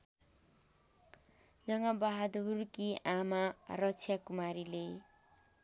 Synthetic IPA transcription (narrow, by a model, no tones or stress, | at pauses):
d͡zʌŋʌbaɦad̪urkiʔamarʌt͡sʰjakumaɾile